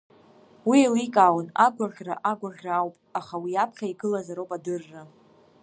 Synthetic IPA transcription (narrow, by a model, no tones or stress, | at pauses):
wialikʼawənaɡʷaʁʲra̰ʔaɡʷaʁʲraːwpʼaχawiapʰχʲaiɡɨlazaɾowpʼadɨrːa